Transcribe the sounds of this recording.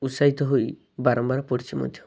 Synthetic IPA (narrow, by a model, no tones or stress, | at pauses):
usaɦit̪ɔɦoj | baɾɔmbaɾɔpɔɽit͡ʃʰimɔ̰d̪ʱjɔ